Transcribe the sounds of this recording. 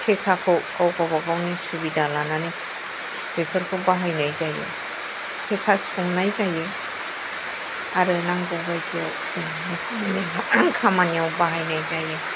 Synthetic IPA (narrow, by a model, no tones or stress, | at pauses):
kʰekʰakʰɯkawɡawbaɡawnisubidalanani | b̥epʰɯɾkʰobaɦajnajzajḛ | kʰekʰasuŋnajzaje | aɾɯnaŋɡɔɡajkʰia | se | nakʰaniaŋkʰamaniawbaɦajnajzaje